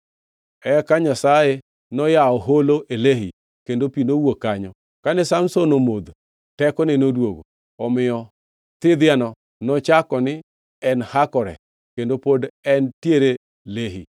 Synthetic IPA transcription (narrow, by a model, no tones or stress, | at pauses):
ɛkaɲasaje | nɔjaɔɦoloʔeleɦḭ | kendopinowokaɲɔ | kanɛsamsonomod̪ | tɛkɔnɛnodwoɡo̰ | ɔmɪjɔ | t̪ɪd̪ɪanɔ | nɔt͡ʃakɔnɪ | ɛnhakɔɾɛ̰ | kendopodɛntjeɾe | leɦḭ